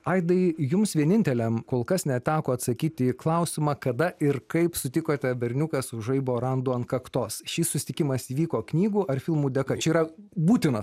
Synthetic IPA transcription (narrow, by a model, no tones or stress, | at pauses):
ɐɪd̪ɐɪjʊmsʋʲiɛnʲɪnʲt̪ʲɛlʲɛmkoːlˠkɐsnʲɛt̪ʲæːkoːɐt̪sɐkʲiːt̪ʲɪklˠɐʊsʲɪmɑːkɐd̪ɐʔɪrkɐɪpsʊt̪ʲɪkoːt̪ʲɛbʲɛɾʲnʲʊkɐsʊʒɐɪboːɾɐnd̪uːɐntkɐkt̪oːsʃʲiːssʊsʲɪ̥t̪ʲɪkʲɪmɐsiːʋʲiːkoːknʲiːɡuːʔɐrfʲɪlˠmuːd̪ʲɛkɐt͡ʃʲɛiːɾɐbuːt̪ʲɪnɐ